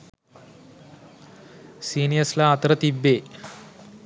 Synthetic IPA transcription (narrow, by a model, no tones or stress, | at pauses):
siːnijɐslɐːt̪ɾɐt̪ibːeː